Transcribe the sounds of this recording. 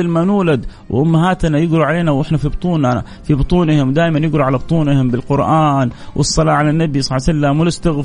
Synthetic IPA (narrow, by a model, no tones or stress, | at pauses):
ɪlmanuːlad̪ | wɪ̰ʔʊmːaɦaːt̪anajɪɡɾuʕaleːnawʔɪħnafibʊt̪ˤuːna | fibɨt̪ˤuːnɪhɪmwd̪aːjmanjɪɡɾuʕalabɨt̪ˤuːnɪhɪmbɪlqʊɾʔaːnwʔɨ̰sˤːɑlɑːʕalanːabisˤɑsalːamwɪlɪst̪aɣf